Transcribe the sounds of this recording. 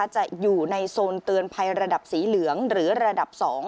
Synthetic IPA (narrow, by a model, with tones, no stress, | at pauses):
a˧˩t͡ɕa˨˩ʔjuː˨˩na˧jsoː˧nt̪ɯ˧ənpʰa˧jɾa˧da˨˩p̚siː˩˦lɯ˩˦əŋɾɯː˩˦ɾa˧da˨˩p̚sɔː˩˦ŋ